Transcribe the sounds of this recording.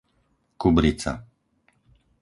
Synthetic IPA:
kubɾit͡sa̰

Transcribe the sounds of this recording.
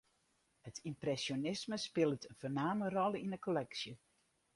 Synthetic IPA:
hətʰimprɛsjonɪsməspɪlˠətənfornaːmərɔlˠəinəkolɛksjə

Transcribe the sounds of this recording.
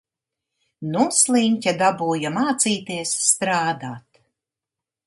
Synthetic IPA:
nuslˠiɲʲcʲad̪abuːjamaːt̪siːt̪iɛsːt̪ɾaːd̪aːt̪

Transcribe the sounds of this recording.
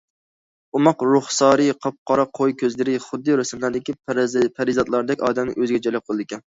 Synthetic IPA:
umɑqɾʊχsɑːɾɨqʰɑp̚qʰɑɾɑqʰojkʲʰøzlɪɾɪχʊd̪ːɨɾʊsɪmlæɾd̪ɪkʲipʰæɾɪzɑt̪lˠɑɾd̪ɛkʲɑːd̪ɛmnɪʔøzɪɡʲɛd͡ʒɑjlˠɑp̚qʰəlˠɨd̪ɪkʲɛn

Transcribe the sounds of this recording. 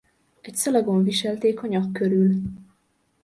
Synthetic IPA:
ɛcsɒlɒɡoːɱviʃɛlt̪eːkhɒɲɒkːøɾyl

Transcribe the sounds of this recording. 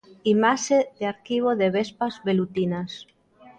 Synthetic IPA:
imaʃeðeaɾkiβ̞oðeβespazβelut̪inas

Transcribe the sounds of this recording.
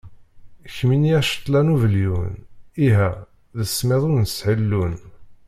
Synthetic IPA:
çminiæʃə̥t̪ːˤlænuvəljuniɦæ | ðəsːmeðˤʊɾnəsħəlːun

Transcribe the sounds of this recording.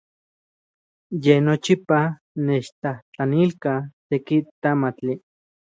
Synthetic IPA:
jenot͡ʃipa | net͡ʃt̪aht͡ɬanilkat̪ekit̪amat͡ɬi

